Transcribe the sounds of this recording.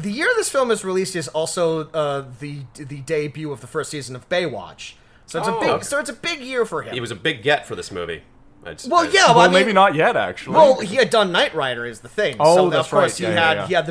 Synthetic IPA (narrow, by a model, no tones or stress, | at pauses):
ðɨjɪɹʌvðɪsfɪlˠmɨzɹilistɨzɔlˠsoʊʌðɨðɨdeɪbjʉʌvðəfɜ˞stsizɨ̃nʌvbeɪwɑ̰t͡ʃ | soʊɨtsɨɪɡsoʊɨtsɨbɪɡjɪɹfə˞ɪ̃iwʌzɨbɪɡɛtfə˞ðɪsmʉ̰vḭ | ʔa̰̥wɛlˠjæwmeɪbinət̚jɛɾæ̰k̚t͡ʃul̩wɛlˠhiɨdʌ̃nːaɪʔ̚ɹaɪɾə˞ɨzðɨθɪ̃ŋooʊðfkɔɹshiɨhiɨd̪̚ðɨ